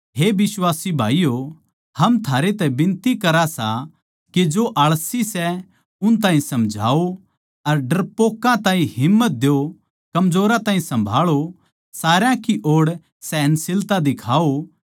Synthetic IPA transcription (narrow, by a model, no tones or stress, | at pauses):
ɦeːbɪswaːsibʱaːijo | hɐmt̪ʰaːɾet̪ɛbɪ̃nt̪ikɐɾasa | ked͡ʒoʔɐɭsisɛ | ʊnt̪̬aːɦĩsɐmd͡ʒʱa̰ːo | ɐɾɖɐɾpoːkːãt̪ãːĩhɪmːət̪̚d̪eo | kɐmd͡ʒoːɾãt̪aːɦĩsɐ̃mbʱaːɭo | saːɾjãkiʔoːɽ | sɛːnsɪlt̪ad̪ɪkʰaːo